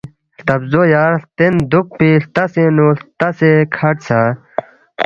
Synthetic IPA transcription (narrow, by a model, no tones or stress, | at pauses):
t̪ɐbzojaːɾt̪end̪uk̚piːɬt̪ɐsenult̪ɐsekʰɐʈsa